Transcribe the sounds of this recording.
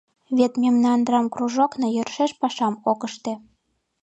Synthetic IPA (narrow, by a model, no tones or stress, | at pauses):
βet̪memnɑnd̪rɑmkruʒoknɤ̆jø̆rʃeʃpɑʃɑmokəʃt̪ĕ